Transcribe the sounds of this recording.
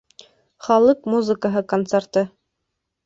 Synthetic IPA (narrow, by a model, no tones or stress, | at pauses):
χɑlˠɤqmuzɨkəɦɤkont̪sert̪ɤ